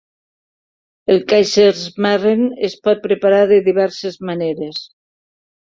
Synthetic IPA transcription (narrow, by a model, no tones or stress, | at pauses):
elkajʃeɾzmarenespɔt̪̚pɾepaɾaɾðeðiβ̞ɛɾsezmaneɾes